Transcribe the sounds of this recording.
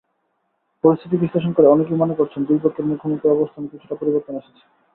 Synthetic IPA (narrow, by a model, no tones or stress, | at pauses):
poɾist̪ʰit̪ibisleʃ̬onkoɾeɔnek̬iwmanekoɾt͡ɕʰend̪uɾpokːeɾmukʰːomokt̪ːoɔbost̪ʰanokit͡ɕʰuʈapoɾiboɾt̪oneʃe̥t͡ɕʰe̥